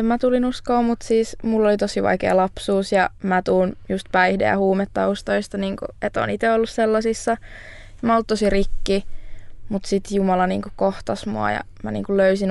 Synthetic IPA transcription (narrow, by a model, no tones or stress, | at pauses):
emmæt̪ulinuskoːmut̪siːsmulːolit̪osiʋɑ̰ikḛːlɑpsuːsjɑmæt̪uːnjust̪̚pæihdḛjɑhuːmet̪ːɑust̪oist̪ɑniːŋkṵet̪o̰ːnit̪eolːusselːɑsisːɑ | mæolt̪t̪osirikːi | mut̪sit̪jumɑlɑnḭːŋkukoht̪ɑsmuɑ̰jɑ̰ | mænḭːŋkulløysin